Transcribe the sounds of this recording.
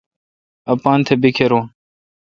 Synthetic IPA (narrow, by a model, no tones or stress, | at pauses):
ɐpaːnt̪ʰebikʰeɾõː